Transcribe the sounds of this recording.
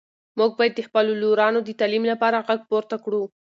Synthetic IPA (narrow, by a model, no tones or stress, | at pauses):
muɡ̚bɑjad̪ːəxpəloloɾɑnod̪ət̪ɑlimlapɑɾaɣaɡ̚poɾt̪akɽu